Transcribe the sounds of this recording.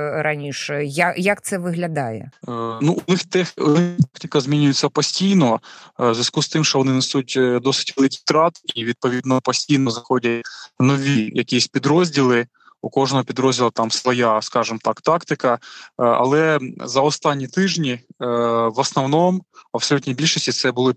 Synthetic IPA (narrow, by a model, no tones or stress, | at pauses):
ɾɐnʲiʂɛjajakt̪sɛʋɪɦlʲɐd̪ɑjɛ̰nuʔʊnɪxt̪ɛxnɪt̪ɑkt̪ɪkɐzʲmʲinʲʊjʊt͡sʲːɐpɔsʲtʲijnɔzʲʋʲɐskust̪ɪmʃt͡ʃɔʋɔnɪnɛsutʲd̪ɔsɪ̥tʲʋɛlˠɪkʲiwt̪ɾɑt̪iʋʲid̪̚pɔʋʲid̪nɔpɔsʲtʲijnɔzɐxɔdʲɐtʲnɔʋʲijɐkʲijɛsʲpʲid̪ɾɔzʲdʲilˠɪ | ukɔʒnɔɦɔpʲid̪ɾɔzʲdʲilˠɐt̪ɑmsʋɔjɑskɑʒɪmt̪ɑkt̪ɑkt̪ɪkɐɐ̰lˠɛzɐɔst̪ɑnʲːit̪ɪʒnʲi | ʋɔsnɔwnɔmɐbsɔlʲutʲnʲijbʲilʲʃɔsʲtʲit̪sɛbʊlˠɔ